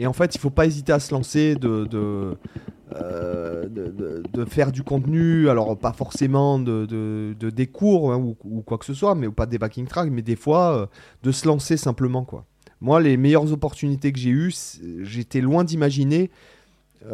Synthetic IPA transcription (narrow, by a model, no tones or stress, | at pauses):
eɑ̃fɛt̪ilfopaezit̪easəlɑ̃sed̪əd̪ə | ød̪əd̪əd̪əfɛʁd̪ykɔ̃t̪nyalɔʁpafɔʁsemɑ̃d̪əd̪əd̪əd̪ekʰuʁɛ̃uukwaksəswamɛupad̪ebakʲĩŋt̪χak̪̚mɛd̪efwaø | d̪əsəlɑ̃sesɛ̃pləmɑ̃kwa̰ | mwalemɛjœʁzɔpɔʁt̪ynit̪̬ek̬əʒeysʒet̪ɛlwɛ̃d̪imaʒine